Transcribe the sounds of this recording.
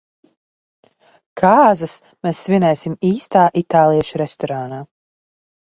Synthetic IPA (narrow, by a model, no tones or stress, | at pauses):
kʰaːzɐs | meːsːvʲinɛjsimiːst̪aːʔit̪aːlˠijɛʃɾɛst̪ɔɾaːnaː